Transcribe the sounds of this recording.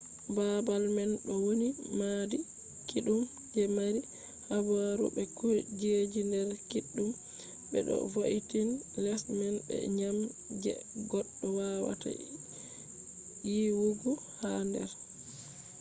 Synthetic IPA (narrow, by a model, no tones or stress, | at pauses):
babalmɛnɗɔwonimadi | kiɗum | d͡ʒɛmaɾi | habaɾṵbɛkuɾid͡ʒed͡ʒindɛɾkiɗːum | bɛ̰ɗɔ̰voʔitin | lɛsmɛnbɛ̰ɲam | d͡ʒɛ̰ɡɔɗːɔwawa̰ta̰ | jiwuɡu | handɛ̰ɾ